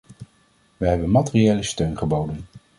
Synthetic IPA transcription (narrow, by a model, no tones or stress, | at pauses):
ʋəɦɛbənmɑtɪriejləstøɥnχəbowdən